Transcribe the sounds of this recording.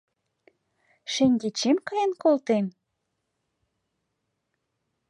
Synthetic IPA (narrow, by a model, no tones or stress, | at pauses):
ʃenʲɡet͡ɕemkɑjenkolt̪em